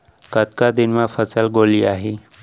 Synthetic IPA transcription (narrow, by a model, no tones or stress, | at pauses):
kət̪kad̪ɪnmãfəsəlɡoːliaːɦiː